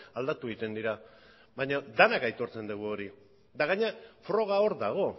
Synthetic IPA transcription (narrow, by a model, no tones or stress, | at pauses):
ald̪at̪uɣit̪e̞nd̪iɾa | βaɲad̪anakajt̪o̞ɾt͡se̞nd̪uɣuo̞ɾi | d̪aɣaɲeafɾo̞ɣ̞ao̞ɾd̪aɣ̞o̞